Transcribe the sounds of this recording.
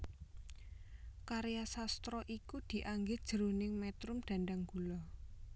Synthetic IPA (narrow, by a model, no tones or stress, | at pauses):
kaɾejasast̪ɾɔʔikud̪̥i̤ʔaŋɡɪd̥ʒ̥əɾunɪŋmɛt̪ɾʊmd̪̥ä̤ɳɖaŋɡ̥ulɔ